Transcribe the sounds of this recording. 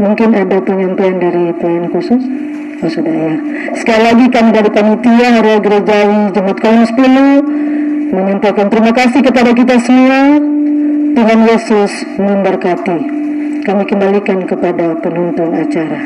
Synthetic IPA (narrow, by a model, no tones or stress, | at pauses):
muŋkɪnadapəɲampajandaɾip̪aankusʊs | kusudajar | sə̥kalilaɡikamidaɾipanit̪iaɾaɡəɾad͡ʒawid͡ʒəmat̪̚kolɔŋsə̥pulu | məɲampajkant̪əɾimakasikəpadak̬it̪̬asəmua | t̪uɦanjesʊs | məmbərkat̪i | kamikəmbalikankəpadapənɔnt̪ɔnat͡ʃaɾa